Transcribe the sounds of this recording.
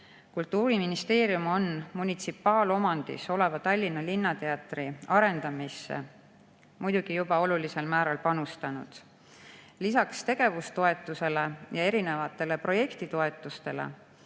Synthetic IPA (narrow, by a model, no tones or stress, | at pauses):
kult̪ːˑuːɾiminist̪e̞ːɾjumo̞nmunʲit̪sipˑːɑːlo̞mɑnd̪̥ḭso̞le̞vɑt̪ɑlʲːinːɑlinːɑt̪e̞ɑt̪riɑɾe̞nd̪̥ɑmisːḛ | mujd̪̥uɡ̥ijubɑo̞lulise̞lmæːɾɑlpɑnust̪ɑnṵd̪̥ | lisɑkst̪e̞ɡ̥e̞vust̪o̞e̞t̪ːˑuse̞le̞jɑe̞ɾine̞vɑt̪ːˑe̞le̞pro̞je̞kt̪it̪o̞e̞t̪ːˑust̪e̞lḛ